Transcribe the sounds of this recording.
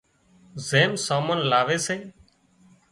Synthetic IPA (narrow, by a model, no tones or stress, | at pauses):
zeːmsaːmənlaːʋeːseː